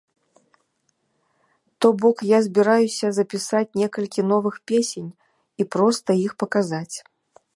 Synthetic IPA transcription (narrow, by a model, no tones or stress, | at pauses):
t̪ɔbɔkjazʲbʲiɾajusʲɐzɐpʲisat͡sʲnʲɛkɐlʲkʲinɔvɨxpʲesʲenʲ | ipɾɔst̪ɐixpɐkazat͡sʲ